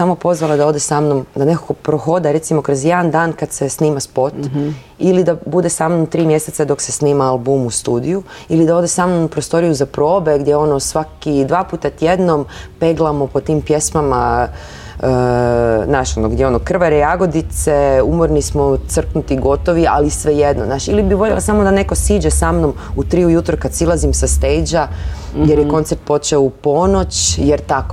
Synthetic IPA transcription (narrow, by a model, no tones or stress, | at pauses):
samopo̞zʋalˠad̪ao̞d̪esaːmnomd̪anekakopɾoxo̞d̪aɾe̞t̪simokɾozje̞d̪and̪aːnkad̪se̞sniːmaspo̞t̪ | ilid̪abud̪esamnomt̪ɾiːmje̞set̪sed̪o̞kse̞sniːmaalˠbuːmust̪uːd̪iju | ilid̪ao̞d̪esamnopɾost̪o̞ɾijuzapɾo̞ːbe̞ɡd̪ʲjeo̞nosʋakid̪ʋaːpuːt̪at̪jed̪no̞mpeɡlˠamopo̞t̪iːmpje̞smama | naʃonoɡd̪jeo̞nokr̩ʋaɾejaɡo̞d̪it̪seumoɾnismot̪sr̩knut̪iɡo̞t̪oʋia̰lisʋejed̪nonaːʃilibiʋoʎʲḛlasamod̪ane̞ko̞siːd͡ʒesamnom | ut̪ɾiujut̪ɾukad̪silˠazimsast̪ejd͡ʒa | ɡjeɾjeko̞nt̪seɾt̪̚po̞t͡ʃɛoupo̞no̞t͡ʃjeɾt̪ako